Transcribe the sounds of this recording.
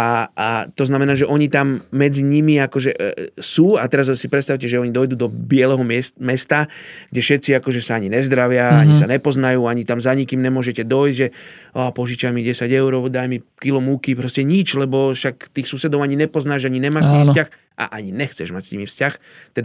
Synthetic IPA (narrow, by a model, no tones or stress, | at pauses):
aat̪ɔznamɛnaːʒɛʔɔɲit̪amːɛd͡ziɲimiakɔʒɛsuːat̪ɛɾazsipɾɛt̪st̪aʊcɛʒɛɔɲid̪ɔjd̪uːd̪ɔbɪɛlɛɦɔmmɛst̪aɡɟɛʃɛt̪t͡siakɔʒɛsaaɲinɛzd̪ɾaʋɪaaɲisanɛpɔznajuːaɲit̪amzaɲikimnɛmʊɔʒɛcɛd̪ɔjzɟʒɛ | ɔpɔʒit͡ʃamiɟɛsaɟɛʊɾɔʊd̪ajmikilɔmukipɾɔscɛɲit͡ʃlɛbɔʃakt̪iːxsuːsɛd̪ɔʊaɲiɲɛpɔznaːʒaɲiɲɛmaːʃt̪imiscax | ʔa̰ʔaɲinɛxt͡sɛ̰ʒmacsɲimifscax | t̪ɛd̪a